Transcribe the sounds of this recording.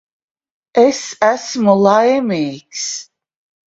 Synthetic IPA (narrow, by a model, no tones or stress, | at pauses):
ɛsæsmulˠajmiːks